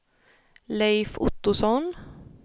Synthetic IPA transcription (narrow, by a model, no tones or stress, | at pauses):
lɛɪfʊ̰t̪ːʊsɔn